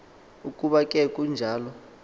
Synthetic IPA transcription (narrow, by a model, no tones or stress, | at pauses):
ukʼuɓakʼɛkʼund͡ʒʱaːlɔ